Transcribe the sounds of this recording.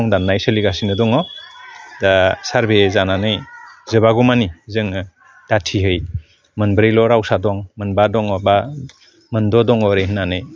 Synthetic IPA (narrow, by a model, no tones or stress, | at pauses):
ŋdanːajsəliɡasinɯdɔŋɔ | dasaɾbezananɯjzɯbaɡɔmanizɯŋɯ | d̥atʰiɦɯj | mɯnbɯɾijlɔɾawsadɔŋmɯnbadɔŋɔba | mɯndɔdɔŋɔɾeɦnanɯj